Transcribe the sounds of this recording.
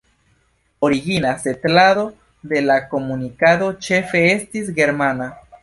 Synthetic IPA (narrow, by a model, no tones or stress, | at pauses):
o̞ɾiɡinase̞tlado̞ | de̞lako̞munikado̞t͡ʃe̞fe̞estis̬ɡe̞ɾmana